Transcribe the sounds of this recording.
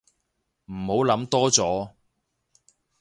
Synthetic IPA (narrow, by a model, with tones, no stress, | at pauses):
m̩˨˩ho˨˥wlɐ˨˥mt̪ɔː˥t͡sɔː˨˥